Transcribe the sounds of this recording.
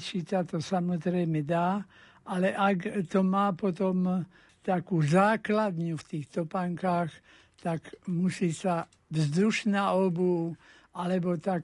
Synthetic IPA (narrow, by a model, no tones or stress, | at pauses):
t͡ʃisat̪ɔsamɔzɾɛjmɛd̪aː | ʔalɛʔakt̪ɔmaːpɔt̪ɔm | t̪akuːzaːklad̪ɲuft̪iːxt̪ɔpaŋkaːx | t̪akmusiːsa | vzd̪uʃnaɔbu | alɛbɔt̪ak